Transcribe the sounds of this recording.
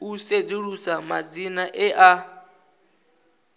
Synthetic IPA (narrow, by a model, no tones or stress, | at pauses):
used͡ziɺusama̰d͡zinaʔɛʔa